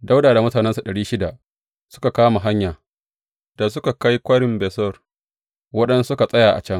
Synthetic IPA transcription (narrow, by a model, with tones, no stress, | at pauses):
da˦wdaː˨da˨mʊ˦taː˨nɛ˦nsa˨ɗɐ˨ɽiː˦ʃɪ˦da˨ | sʊ˦ka˨kaː˦ma˨ɦa˦ɲjaː˨ | d̥a˨s̬ʊ˦ka˨ka˦jkʷɐ˦ɽɪ˨mbɛː˨sɔ˦˨r | wɐ˦ɗɛ˦nsʊ˦ka˨sʼɐ˦jaː˨ʔa̰˨t͡ʃɐ˦ŋ